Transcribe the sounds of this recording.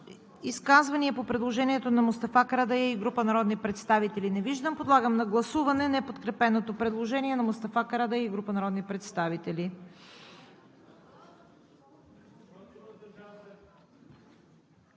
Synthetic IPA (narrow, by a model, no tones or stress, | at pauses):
iskazvɐniɛpopɾɛd̪lˠoʒɛniɛt̪onɐmost̪ɐfakɾad̪ɐjaiɡɾupənɐɾɔd̪nipɾɛt̪st̪avit̪ɛlinɛviʒd̪əmpod̪lˠaɡəmnɐɡlˠɐsuvɐnɛnɛpot̪kɾɛpɛnot̪opɾɛd̪lˠoʒɛniɛnɐmost̪ɐfakɾad̪ɛjɛiɡɾupənɐɾɔd̪nipɾɛt̪st̪avit̪ɛli